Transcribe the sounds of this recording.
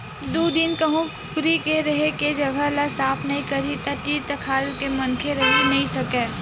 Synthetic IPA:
d̪oːd̪ɪnkɐɦũkʊkɾikeɾɐɦeked͡ʒɐɡəlasaːpʰnɐɦĩkɐɾit̪ɐt̪iːt̪əkʰaːɾkemɐnkʰeɾɐɦenɐɦĩsɐkeː

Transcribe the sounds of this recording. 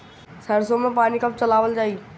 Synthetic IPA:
sɐɾsomẽpaːnikəp̚t͡ɕɐlaːʋəld͡ʑaːiː

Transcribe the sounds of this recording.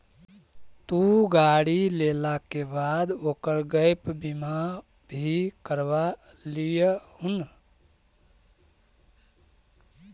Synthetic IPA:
t̪uɡaɽilelakebad̪oːkəɾɡəɪpbima | bʱikəɾʋa | lijhun

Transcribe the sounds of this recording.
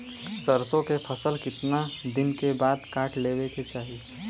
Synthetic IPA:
səɾsõkepʰəsəlkɪt̪nad̪ɪnkebaːd̪kaːʈʰleːweket͡ʃaːɦi

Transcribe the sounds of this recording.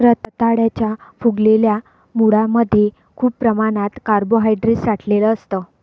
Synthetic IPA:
ɾət̪t̪aɽjat͡ɕjafuɡlelja | muɽaməd̪ʱːje | kʰuːppːɾəmaɽ̃at̪kaɾboɦajɖɾisaʈʰleləːst̪əː

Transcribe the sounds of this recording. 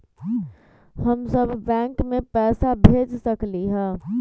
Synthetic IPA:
hɐmsəbːɛ̃ːŋkmẽpɛːsabʱeːd͡ʒsɐkliɦɛ̃ː

